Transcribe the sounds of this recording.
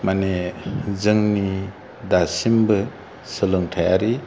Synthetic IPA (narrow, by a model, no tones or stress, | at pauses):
manezɯŋni | dasimbɯ | sɯlɯŋtʰajaɾi